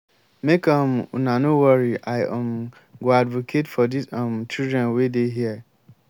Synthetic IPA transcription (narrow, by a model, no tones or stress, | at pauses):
mekʰãm̰nãnʊ̃wɔɹiaɪʔɔ̃m | ɡɔadvokʰetfɔdisãmt͡ʃildɹɛ̃nwedeɦiɛ